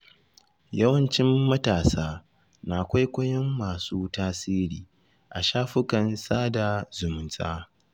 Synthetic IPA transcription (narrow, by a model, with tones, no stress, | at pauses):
jɐ˦wɐ˨nt͡ʃɪ˦mːɐ˦taː˨saː˦ | naː˨kʷa˦jkʷɐ˦jɐ˦mːaː˨suː˦taː˦siː˦ɾiː˨ | ʔa˨ʃaː˦ɸʊ˦kɐ˨nsaː˦da˨zʊ˨mʊ˨nsʼa̰ː˦